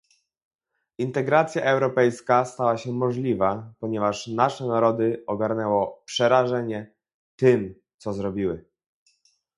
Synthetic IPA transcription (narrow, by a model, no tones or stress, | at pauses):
int̪ɛɡɾat̪sʲjaʔɛwɾɔpɛjskast̪awaɕɛmɔʐlʲivapɔɲɛvaʂnaʂɛnaɾɔd̪ɘɔɡaɾnɛwɔpʂɛɾaʐɛɲɛ | t̪ɘm | t̪sɔzɾɔbʲiwɘ